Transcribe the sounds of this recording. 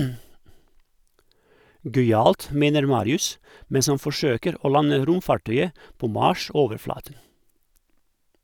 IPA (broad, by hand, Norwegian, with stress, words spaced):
ˈɡœʏˌɑːlt ˈmeːnəɾ ˈmɑːɾɪʉs ˈmɛns ˈɑn fɔˈʃøːkəɾ ˈoː ˈlɑnə ˈɾʊmˌfɑˌʈœʏə ˈpoː ˈmɑːˌʃoːʋəɾˌflɑːtən